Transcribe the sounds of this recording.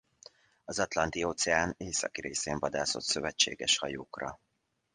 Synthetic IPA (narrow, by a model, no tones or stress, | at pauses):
ɒzɒt̪lɒnt̪ioːt̪sɛaːneːsɒ̰kiɾeːseːɱvɒd̪aːso̞t̪søvɛt͡ʃːḛːɡɛʃhɒjoːkrɒ